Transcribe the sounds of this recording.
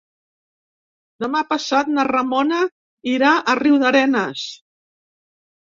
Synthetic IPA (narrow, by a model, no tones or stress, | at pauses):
d̪əmapəsat̪̚nərəmonə | iɾaʔəriwðəɾɛnəs